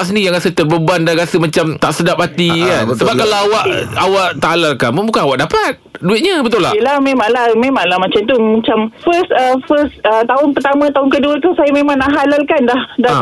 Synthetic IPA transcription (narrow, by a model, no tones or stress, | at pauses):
ʔsənijaŋɾasət̪ərbəbandaɾasəmat͡ʃamt̪aʔsədap̚hat̪iasəbapkalaawaʔawaʔt̪alalkaməbukanawaʔdapat̪̚duɪʔ̚ɲəbət̪ola̰əlahmẽmãŋlahmẽmãŋlahmãt͡ʃamt̪umat͡ʃamfəsəfəsət̪aʊnpərt̪amə̃t̪aʊnkəduaət̪usajamemãŋnaʔɦalalkandahda